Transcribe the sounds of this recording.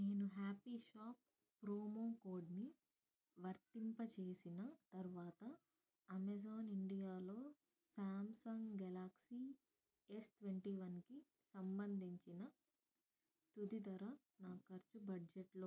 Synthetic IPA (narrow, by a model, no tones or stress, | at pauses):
neːnuɦaːpiːʃaːp̚ː | ɾoːmoːkoːɾɖni | ʋɐɾt̪impɐt͡ʃeːsinɐt̪ɐɾʋaːt̪ɐ | ɐmes̬oːniɳɖijaːlo̞ː | saːmsɐŋɡɡɐlaːksiː | esʈʋeɳʈiːʋɐnki | sɐmbɐnd̪ʱiɲt͡ʃinɐ | t̪ud̪id̪ɐɾɐ | naːkɐɾt͡ʃubɐɖd͡ʒeʈloː